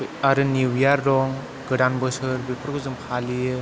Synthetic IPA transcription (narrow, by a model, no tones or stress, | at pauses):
aɾɯniwjaɾːɔŋ | ɡɯɾanbɯsɯɾbepʰɯɾkʰɯzɯmpʰaliɯ